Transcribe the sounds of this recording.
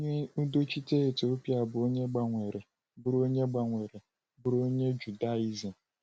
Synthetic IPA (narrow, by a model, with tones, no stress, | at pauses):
o˦ɲe˦u˦do˦t͡ʃi˦te˦e˨to˦pja˦˨bʊ˨o˦ɲe˦ɡ͡ba˨ŋʷe˨ɾe˨ | bʊ˦ɾo˦ɲe˦ɡ͡ba˨ŋʷe˨ɾe˨ | bʊ˨ɾo˦ɲe˦d͡ʒu˨da˦˨i˦zi˨